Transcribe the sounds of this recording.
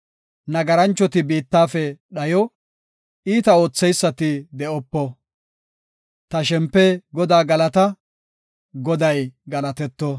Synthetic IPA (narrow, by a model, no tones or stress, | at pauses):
nɐɡɐɾɐnt͡ʃːɔt̪ɪbiːt̪ːaːfɛɗɐjɔ | iːt̪ɐo̞ːt͡sːɛjsːɐt̪ɪd̪ɛɔpːɔ | t̪ɐʃɛmpːɛɡɔd̪aːɡɐlɐt̪ɐ | ɡɔd̪ɐjɡɐlɐt̪ɛt̪ːɔ